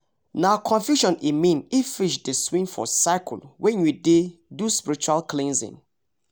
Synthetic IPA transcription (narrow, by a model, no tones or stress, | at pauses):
nakʰɔ̃nfjuʃɔ̃nimĩnifiʃdəswĩnfɔ̰saɪkʰlwɛ̃njudeduspiɾit͡ʃualklẽnzḭ̃n